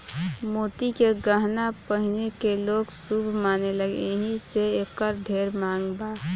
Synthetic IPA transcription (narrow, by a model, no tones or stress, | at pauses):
moːt̪ikeɡəɦnapəɦɪnekeloːɡsubʱmaːneləɡḛeɦiseeːkəɾɖʱeːɾmãːŋɡbaː